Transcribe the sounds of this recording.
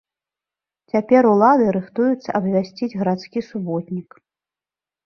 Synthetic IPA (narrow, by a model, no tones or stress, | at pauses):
t͡sʲapʲɛɾulˠad̪ɨɾɨxt̪ujut̪sːɐ̰ʔɐbvʲasʲt͡sʲid͡zʲɣɐɾat̪skʲisubɔt̪ʲnʲik